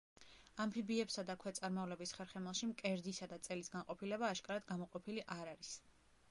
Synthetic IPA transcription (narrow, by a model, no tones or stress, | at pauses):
ampʰibiɛpsad̪akʰwɛt̪sʼaɾmavlɛbisχɛɾχɛmɛlˠʃimkʼɛɾd̪isad̪at̪sʼɛlisɡanqʼɔpʰilɛbaːʃkʼaɾad̪ɡamɔqʼɔpʰiliʔaɾaɾis